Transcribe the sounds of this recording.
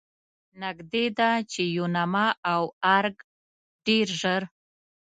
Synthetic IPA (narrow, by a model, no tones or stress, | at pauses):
naɡd̪ed̪at͡ʃejonamaawaɾɡ | ɖ̥eɾʒəɾ